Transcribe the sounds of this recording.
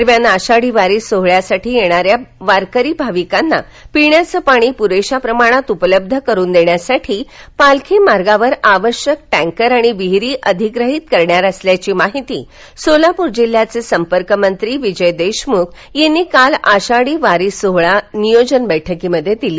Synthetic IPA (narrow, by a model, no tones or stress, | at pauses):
əɾmjanaɕaɽiːʋaɾiːsoɦɭjasaʈʰiːjeɽ̃aɾjaʋaɾkəɾiːbʱaʋikanːa̰ | piɳjat͡səpaɽ̃iːpuɾeɕapɾəmaɽ̃at̪upələb̚d̪ʱəkəɾuːnd̪eɳjasaʈʰiːpalkʰemaɾɡaʋəɾaʋəɾɕjək̚ʈɛ̃ŋkəɾaɽ̃iʋiɦɾiːʔəd̪ʱiɡɾəɦit̪kəɾɳjaɾəsljat͡ɕiːmaɦit̪ḭː | solapuɾd͡ʑil̤ːjat͡sesəmpəɾkəmənt̪ɾiːʋid͡ʑəjd̪eɕmukʰ | jenːiːkalaɕaɽiʋaɾisoɦɭanijod͡ʑənbəjʈʰəkiməd̪ʱːjet̪iliː